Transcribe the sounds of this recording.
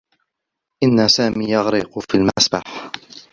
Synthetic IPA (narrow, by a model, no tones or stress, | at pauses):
ʔɪnːasaːmiːjɑɣɾḭːqʊfiːlmasbaħ